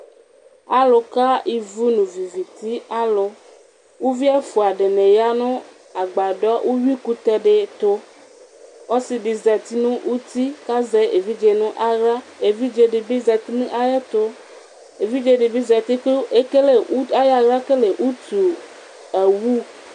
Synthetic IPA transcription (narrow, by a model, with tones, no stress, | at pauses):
a˦lo˨ka˦i˨vu˦nũ˨vi˨vi˨t̪i˦a˦lo˨ | wu˦vi˦a˦fu˨a˨ɖe˨nẽ˨ja˦nɔ̃˦ | a˨ɡ͡ba˨ɖɔ˦wʔu˦wi˦ku˦t̪ɛ˦ɖe˦t̪o˦ | wɔ˦si˨ɖi˨zɛ˨t̪i˦nũ˦ʔwu˦t̪i˦ka˦zɛ˦e˨vi˦d͡ʒe˨nũ˦ʔa˦ɾa˦e˨vi˦d͡ʒe˨ɖi˨bi˦zɛ˨t̪i˦nũ˦ʔa˦ja˦t̪o˦ | e˨vi˦d͡ʒe˦ɖe˨bi˦zɛ˨t̪i˦e˦e˦ke˦le˨u˦a˦ja˦ɣa˦ke˦le˨ʔu˦t̪u˨ | e˨wu˦